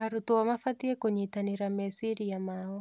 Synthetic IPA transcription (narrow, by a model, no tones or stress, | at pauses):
aɾutuamafatiɛkɛɲɛitaniɾamɛsiɾijamaɔ